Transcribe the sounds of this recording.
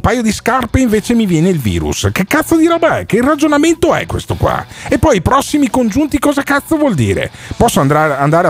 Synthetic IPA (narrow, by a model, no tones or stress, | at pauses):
mpaːjod̪iskarpeiɱveːt͡ʃemivjɛːneilvḭːɾṵskekːat̪sːod̪iɾabaɛ̰kerad͡ʒonament̪oɛ̰kwḛst̪okwa̰epːɔjpɾɔsːimikond͡ʒunt̪ikɔːzakat̪sːovwɔld̪ḭːɾḛpɔsːoand̪aand̪aːɾe